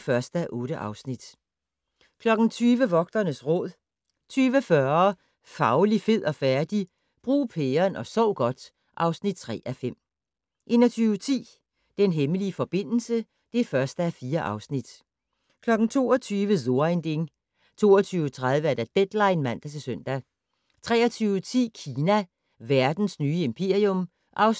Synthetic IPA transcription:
fɶɐsd̥əæʔɔ̽ːɾəʔɑ̈ʊsnid̥ | kʰlɒ̽ɡ̥n̩t͡sʰyːʋəʋɒ̽ɡ̥̚d̥ɐnəsʁɔ̽ð̰ˠ | t͡sʰyːʋəfɶɐ | fɑ̈ʊlife̝ð̞̰ˠɒ̽fæɐd̥i | b̥ʁṵːpʰeːɐnɒ̽sɒʊɡ̥ɒ̽d̥ | ʔɑ̈ʊsnid̥̚t͡sʰʁɛ̰ːʔæfem̰ | ʔe̝nɐt͡sʰyːʊt͡sʰḭː | d̥enɦeməliəfɒ̽b̥e̝n̰l̩sə | d̥e̝fɶɐsd̥əæfiːɐʔɑ̈ʊsnid̥ | kʰlɒ̽ɡ̥n̩t͡sʰo̝̰ːɒ̽t͡sʰyːʋəzo̝nd̥e̝ŋ | t͡sʰo̝̰ːɒt͡sʰyːʊət͡sʰʁað̞ˠʋəæɐd̥æd̥ed̥lɑ̈ɪnmæn̰d̥æt͡sʰe̝søn̰d̥æ | t͡sʰʁɛ̰ːɐt͡sʰyːʊət͡sʰḭːkʰiːnæ | ʋæɐd̥n̩snyːəe̝mpʰe̝ɐiɔm | ʔɑ̈ʊ

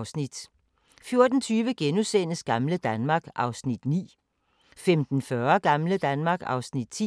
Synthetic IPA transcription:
ʊsnid̥ | fjo̝ɐd̥n̩t͡sʰyːʋəɡ̥enusen̰əsɡ̥ɑ̈mləd̥ænmɑ̈ːɡ̥ʔɑ̈ʊsnid̥nḭː | femd̥n̩fɶɐɡ̥ɑ̈mləd̥ænmɑ̈ːɡ̥ɑ̈ʊsnid̥̚t͡sʰi

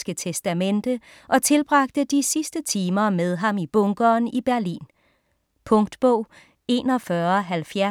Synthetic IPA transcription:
sɡ̥ət͡sʰesd̥æmend̥ə | ʔɒ̽t͡sʰe̝lb̥ʁɑ̈ɡ̥̚d̥əd̥isisd̥ət͡sʰiːmɐmeð̞ˠɦɑ̈mib̥ɔŋɡ̥ɐːnib̥æɐlḭːn | pʰɔ̽ŋd̥b̥ɔ̰ʊ̰ | e̝̰ːnɒfɶːɐɦælfjæ

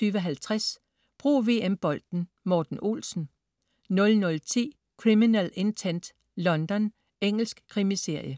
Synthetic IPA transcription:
yːʋəɒɦælt͡sʰʁas | b̥ʁṵːʋe̝ːemb̥ɒ̽l̰d̥n̩ | mɒːd̥n̩ʔo̝̰lsn̩ | nɔ̽lnɔ̽lt͡sʰḭː | kʰʁiminele̝nt͡sʰend̥ | lɒ̽nd̥ɒ̽n | eŋ̰l̩sɡ̥kʰʁimise̝ɐ̰jə

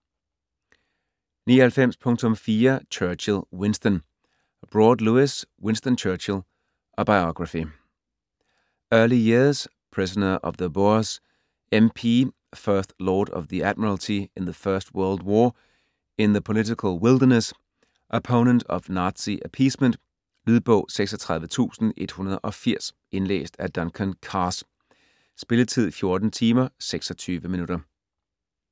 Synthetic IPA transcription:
niːhɛlfẽm̰spʰɔ̃ŋtʰɔ̃mfiːɐt͡ʃʰɜːt͡ʃɪlˠwɪ̃nstən | b̥ɹɔːdluɪswɪ̃nstənt͡ʃʰɜːt͡ʃɪlˠ | ʔəbaɪɒɡ̥ɹəfi | ɜːlijɪɐz̥ | pʰɹ̥ɪsənəʔʌ̰vðəboz | ẽmpʰiː | fɜːθlɔːɾʌ̰vðiæd̥̚məɹl̩ˠtʰienðəfɶɐsd̥wɜɐld̥wɔː | enðəpʰo̝lit͡sikʰəlˠwɪldɐnəs | ʔopʰoʊnənd̥ɒʋnɑ̈ːd̥siʔæpʰḭːsmən̰d̥ | lyðˠb̥ɔ̰ʊ̰seɡ̥sɒt͡sʰʁɑ̈ðˠʋət͡sʰṵːsn̩ʔe̝d̥hunɐð̞ˠʔɒ̽fiɐ̰s | ʔe̝nlḛːsd̥æd̥ɒnkʰənkʰɑːs | sb̥e̝ləðt͡sʰið̞̰ˠfjo̝ɐd̥n̩t͡sʰiːmɐseɡ̥sɒ̽t͡sʰyːʋəminuɾ̥ɐ

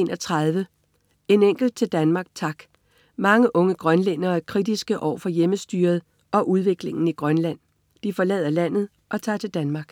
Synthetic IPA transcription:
nʔɒt͡sʰʁɑð̞ˠʋə | e̝neŋ̰ɡ̥l̩d̥̚t͡sʰe̝ld̥ænmɑ̈ːɡ̥̚t͡sʰɑ̈ɡ̥ | mɑ̈ŋəʔɔ̽ŋəɡ̥ʁɶnlenɐːækʰʁid̥isɡ̥əʔɒ̰ʊfɒ̽jeməsd̥y̰ːɐð̞̩ˠ | ʔɒ̽ʔuð̞ˠʋe̝ɡ̥le̝ŋn̩iɡ̥ʁɶnlæn̰ | d̥ifɒ̽lɛːð̞̰ˠɐlæn̰ð̞̩ˠ | ʔɒ̽t͡sʰɑ̰̈ːt͡sʰe̝ld̥ænmɑ̈ɡ̥

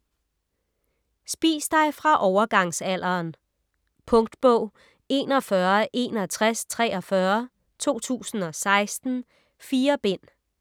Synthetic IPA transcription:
sb̥ḭːsd̥ɑ̈ɪfʁɑ̈ʔɒʊɐɡ̥ɑ̈ŋsæl̰ɐːn | pʰɔ̽ŋd̥b̥ɔʊ̰ | e̝ːnɒ̽fɶɐʔe̝̰nɒt͡sʰʁast͡sʰʁɛːɒ̽fɶːɐ | t͡sʰo̝̰ːt͡sʰṵːsn̩ɒ̽sɑ̈ɪsd̥n̩ | fiːɐb̥en̰

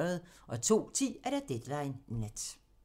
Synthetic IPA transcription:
ɐð̩ˠʔɒ̽t͡sʰo̝̰ːt͡sʰḭːæɐɾ̥æd̥ed̥lɑ̈ɪnːed̥

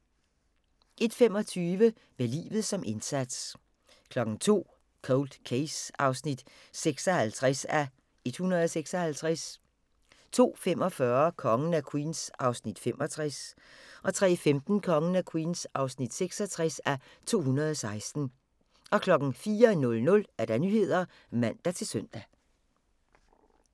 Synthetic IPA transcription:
e̝d̥femɒ̽t͡sʰyːʋə | melḭːʋð̩ˠsɒ̽mʔe̝nsæd̥s | kʰlɒ̽ɡ̥ŋ̩t͡sʰo̝̰ː | kʰoʊld̥kʰeɪsɑ̈ʊsnid̥ | seɡ̥sɒ̽hælt͡sʰʁasæ | e̝d̥hunɐð̞ˠɒ̽seɡ̥sɒ̽hælt͡sʰʁas | t͡sʰo̝̰ːfem̰ɒ̽fɶɐkʰɒ̽ŋənækʰwḭːnsʔɑ̈ʊsnid̥fem̰ʔɒ̽t͡sʰʁas | ʔɒ̽t͡sʰʁɛ̰ːfemd̥n̩kʰɒ̽ŋənækʰwiːnsɑ̈ʊsnid̥seɡ̥sɒt͡sʰʁɛsæ | t͡sʰo̝̰ːhunɐð̞̩ˠɒsɑ̈ɪsd̥n̩ | ʔɒ̽kʰlɒ̽ɡ̥n̩fiːɐnɔ̽lnɔ̽læɐd̥ænyːhe̝ð̞̰ˠɐ | mæn̰d̥æt͡sʰe̝lsøn̰d̥æ

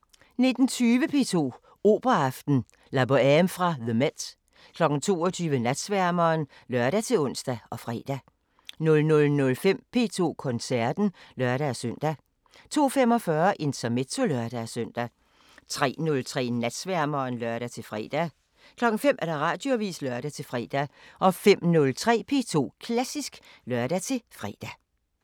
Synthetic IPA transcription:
ne̝d̥n̩t͡sʰyːʋəpʰe̝̰ːt͡sʰo̝̰ː | o̝ːb̥ɐɑfd̥n̩ | læb̥oæmfʁɑ̈ðəmed̥ | kʰlɒ̽ɡ̥n̩t͡sʰo̝̰ːɒt͡sʰyːʋənæd̥sʋæɐmɐːn | lɶɐ̰ɾ̥æt͡sʰe̝lɔ̽n̰sd̥æɒ̽fʁɛ̰ːd̥æ | nɔ̽lnɔ̽lnɔ̽lfem̰pʰe̝ːt͡sʰo̝̰ːkʰɔ̽nsæɐ̰d̥n̩lɶɐɾ̥æsøn̰d̥æ | t͡sʰo̝̰ːfem̰ɒ̽fɶːɐʔe̝nt͡sʰɐme̝̥t͡sʰo̝lœɐɾ̥æsœn̰d̥æ | t͡sʰʁɛ̰ːnɔ̽lt͡sʰʁɛ̰ːnæd̥sʋæɐmɐːnlɶɐɾ̥æt͡sʰe̝lfʁɛ̰ːd̥æ | kʰlɒ̽ɡ̥ŋ̩fem̰ʔæɐɾ̥ɑ̈ʁɑ̰̈ːd̥joʋḭːslœɐɾ̥æt͡sʰe̝fʁɛ̰ːd̥æʔɒ̽fem̰nɔ̽lt͡sʰʁɛ̰ːpʰe̝̰ːt͡sʰo̝̰ːkʰlæsisɡ̥ | lɶɐɾ̥æt͡sʰe̝fʁɛ̰ːd̥æ

